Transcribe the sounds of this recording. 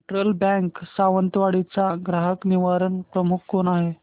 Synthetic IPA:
ʈɾəlbɛ̃ŋksaʋənt̪ʋaɽit͡saɡɾaɦəkniʋaɾənpɾəmuk̚ʰkonaɦe

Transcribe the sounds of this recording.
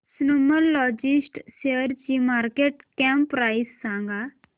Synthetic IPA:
snuməlːɔd͡ʑisʈɕeəɾt͡ɕimaɾkeʈkɛ̃mpɾajisːãŋɡa

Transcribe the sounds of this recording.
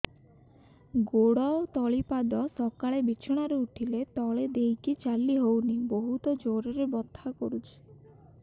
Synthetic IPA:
ɡoɽɔot̪ɔɭipad̪ɔsɔkaɭebit͡ʃʰɔɽ̃aɾeuʈʰilet̪ɔɭed̪ejkit͡ʃalːiɦowniboɦut̪ɔd͡ʒoɾeɾebɔt̪ʰːakoɾut͡ʃʰi̥

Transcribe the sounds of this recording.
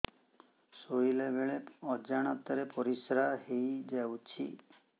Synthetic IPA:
sojlebeɭeɔd͡ʒaɽ̃at̪ɔɾepɔɾisɾahejd͡ʒɛwt͡ʃʰḭ

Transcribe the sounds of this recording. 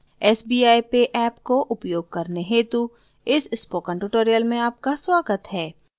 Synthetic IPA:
ɛːsbiːaːipeʔɛːpkoʔʊpjoːɡ̚kɐɾneɦet̪u | ɪsɪspoːkə̃ɳʈuʈoːɾijəlmẽaːp̚kaswaːɡət̪ɦɛː

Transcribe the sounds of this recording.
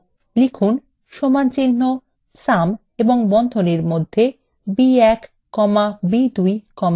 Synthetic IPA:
likʰun | ʃomant͡ɕinːo | sam | eboŋbɔnd̪ʱoneɾmod̪ʱːe | biɛk | kɔmabid̪ujkɔma

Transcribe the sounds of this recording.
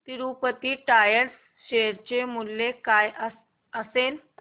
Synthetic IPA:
t̪iɾupət̪iːʈajəɾs | ɕeɾt͡ɕemulːekajʔə | əsel

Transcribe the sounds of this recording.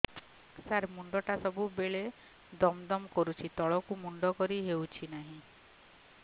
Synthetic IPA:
saɾmuɳɖɔʈasɔbubeɭe | d̪ɔmd̪ɔmkɔɾut͡ʃʰit̪ɔɭɔkumuɳɖɔkɔɾiɦewt͡ʃʰinaɦĩ

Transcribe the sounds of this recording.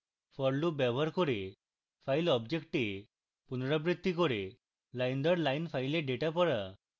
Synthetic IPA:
fəɾlubɛʋəɾkɔɾe | fajlɔbd͡ʑekʈe | punɾabɾid̪ʱːikɔɾe | lajnd̪əɾlainfajlẽɖeʈapəɾa̰

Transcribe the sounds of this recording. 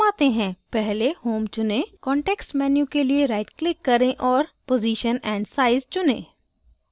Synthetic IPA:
aːt̪eɦɛ̃ːpɛɦlehoːmt͡ʃʊnẽkɔ̃ːɳʈɛːksʈmɛːnjũkelieɾaːɪʈklɪkːɐɾẽʔɔːɾpoːziːʃənɛ̃ːɳɖsaːɪzt͡ʃʊnḛ̃ː

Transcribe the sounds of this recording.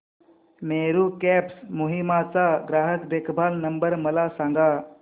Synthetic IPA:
meɾukæpsmuɦimat͡saɡɾaɦəkb̪ekʰbʱalnəmbəɾməlasaŋɡa

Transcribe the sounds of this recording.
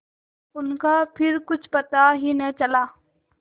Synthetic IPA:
ʊnkapʰɪɾkʊt͡ʃʰpət̪aɦinət͡ʃəlaː

